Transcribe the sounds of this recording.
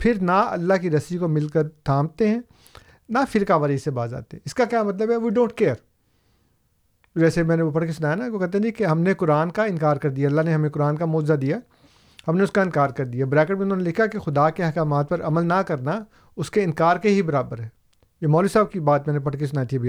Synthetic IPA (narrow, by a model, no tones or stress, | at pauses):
pʰɪɾnaɐ̰lːaɦkiɾɐsikomɪlkɐɾt̪ʰãːmt̪eɦɛ̃ː | nafɪɾkaʋɐɾisebaːza̰ːt̪eɦɛ̃ɪskakjaːmɐt̪̬ləbɛʋiːɖõːɳʈ̚keːɾ | d͡ʒɛːsemɛ̃ːneopɐɽkesʊnaːjanakokɛt̪eɛ̃ikeɦɐmnekʊɾaːnkaɪnkaːɾkɐɾd̪ijaɐlːaɦneɦɐmẽkʊɾaːnkamoːd͡ʒzad̪ija | ɦɐmneʊskaɪ̃nkaːɾkɐɾd̪ijabɾɛːkəʈmẽʊnoːnelɪkʰakexʊd̪akeɦɐkaːmaːt̪̚pɐɾʔɐməlnakɐɾna | ʊskeɪ̃nkaːɾkeɦibɐɾaːbəɾɦɛ̃ː | jemɔːlisaːb̚kibaːt̪mɛ̃ːnep̬ɐɽkes̬ʊnaːjit̪ʰiɛbʱi